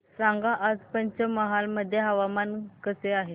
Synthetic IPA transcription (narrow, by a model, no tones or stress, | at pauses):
saŋɡaʔəd͡zpəɲt͡ɕəməɦalməd̪ʱːjeɦəʋamankəseaɦe